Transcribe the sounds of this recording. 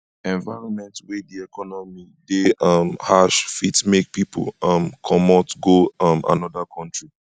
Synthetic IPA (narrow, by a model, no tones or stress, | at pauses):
ɛ̃nvaɪɹɔ̃nmɛ̃ntwediɛkɔnɔmi | deɔmhaʃfitmek̚pipo̰lɔmkʰɔmɔtɡoɔma̰nɔdakʰɔ̃ntɹi